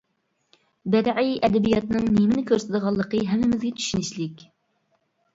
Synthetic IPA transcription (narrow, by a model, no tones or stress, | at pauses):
bæɾʕijɛd̪ɛbijɑt̪nɨŋnimɪnɪkʲʰøɾsɪd̪əʁɑlˠːəqəɦɛmːɪmɪzɡʲɛt̪ʰy̥ʃynɪʃlɪkʲ